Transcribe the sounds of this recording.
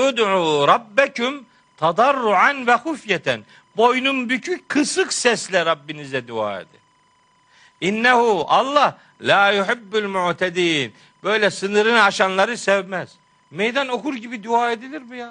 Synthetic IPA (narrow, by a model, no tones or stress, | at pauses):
jud̪ʕuːɾˤɑbːæcum | t̪ʰɑd̪ɑrːuʕanvæxufjæt̪ʰæ̰n | bo̞jnumbycʰyckʰɯsɯqsɛslʲɛɾɑbːinizɛd̪ua̰ːḛd̪ḭ | ʔinːæhuɑlˠːɑh | laːjuħɪbːulmuʕt̪ʰæd̪iːn | b̥ø̞jlʲɛsɯnɯɾɯnɑʃɑnlˠɑɾɯsɛvmæz̥ | mejd̪ɑno̞kuɾɟibid̪uaːed̪ilʲiɾmujaːn